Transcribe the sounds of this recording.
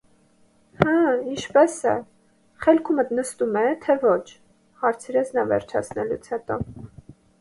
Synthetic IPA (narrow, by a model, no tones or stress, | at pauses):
həint͡ʃʰpɛsɛ̰ | χɛlkʰumət̪nəst̪umɛt̪ʰɛvɔt͡ʃʰ | hɑɾt͡sʰiɾɛt͡sʰnɑvɛ̰ɾt͡ʃʰɑ̰t͡sʰnɛlut͡sʰhɛt̪ɔ